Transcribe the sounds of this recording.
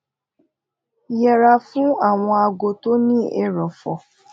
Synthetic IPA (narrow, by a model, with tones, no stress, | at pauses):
jɛ˨ɾa˧fũ˦a˦˨w̃ɔ̃˧a˧ɡo˧to˦nĩ˦ɛ˦ɾɔ˨fɔ˨